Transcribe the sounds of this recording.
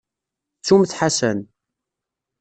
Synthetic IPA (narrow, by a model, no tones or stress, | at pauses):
t͡sːumθħasæn